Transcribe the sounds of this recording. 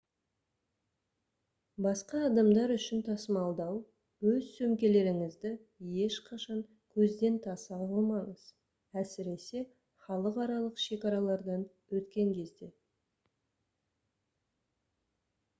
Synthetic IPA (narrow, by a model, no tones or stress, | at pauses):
bɑsqɑːd̪ɑmd̪ɑɾʏʃɪnt̪ʰɑsəmɑlˠd̪ɑw | wɵzsɵmkʲe̞le̞ɾɪŋɪzd̪ɪ | je̞ʃqʰɑʃɑŋ | kʲʰɵzd̪e̞nt̪ʰɑsɑəmɑɴəz | æsɪɾe̞se̞ | χɑlˠəqɑɾɑlˠəqʃe̞kɑɾɑlˠɑɾd̪ɑn | wɵt̪kʲe̞ŋkʲʰe̞zd̪e̞